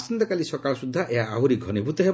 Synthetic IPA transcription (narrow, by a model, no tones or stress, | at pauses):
sint̪ɔkalisɔkalɔsud̪ʱːaʔeɦaːɦuɾiɡʱɔnibʱut̪ɔɦe